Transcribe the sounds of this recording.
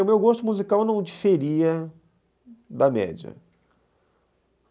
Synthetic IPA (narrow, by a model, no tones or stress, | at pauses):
ʊmewɡost̪ʊmuzikawnɐ̃w̃d͡ʒifeɾiɐ | d̪ɐmɛ̰d͡ʒɐ̰